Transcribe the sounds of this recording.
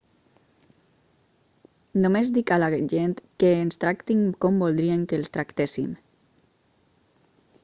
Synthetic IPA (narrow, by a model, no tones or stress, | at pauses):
nomezd̪ikalaʒent̪keːnst̪ɾakt̪iŋkɔmbolˠd̪ɾieŋkelˠst̪ɾakt̪esḭm